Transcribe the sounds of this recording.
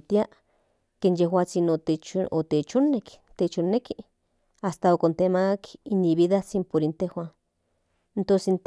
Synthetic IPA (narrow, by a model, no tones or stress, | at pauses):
t̪iaʔ | keːnjehwaːt͡sinoet͡ʃot̪et͡ʃonekt̪et͡ʃonːeki | ast̪aokont̪emakinːiβiðat͡simpoɾint̪ehwan | ent̪onseint̪